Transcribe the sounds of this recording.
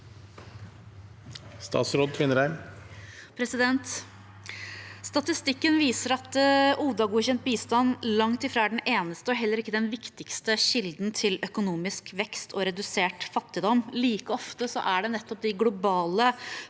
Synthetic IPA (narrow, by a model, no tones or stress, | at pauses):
st̪ɑ̰ːt̪sɾoːd̪̚t̪ʰʋɪnːəɾæɪm | pʰɾɛsɪd̪ɛnt̪ | st̪ɑt̪ɪst̪ɪkːənʋiːsəɾɑt̪uːd̪ɑɡuːçɛnt̪̚biːst̪ɑnːlɑŋt̪ɪfɾɑːæɖɛneːnəst̪əɔɦɛlːəɾɪkːəd̪ɛnʋɪkt̪ɪkst̪əɕɪld̪n̩t̪ʰɪlœkʊnuːmɪskʋɛkst̪ʰɔɾɛd̪ʉseːʈfɑt̪ːɪd̪ɔmːliːkəɔft̪əsɔ̰ʔæɖɛnɛt̪ːɔp̚d̪ɪɡlʊbɑːlə